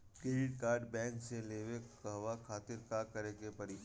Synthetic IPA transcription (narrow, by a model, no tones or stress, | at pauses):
kɾeːɖɪʈkaːɾɖbɛ̃ːŋkseleːʋekɐɦʋakʰaːt̪ɪɾkakɐɾekepɐɾi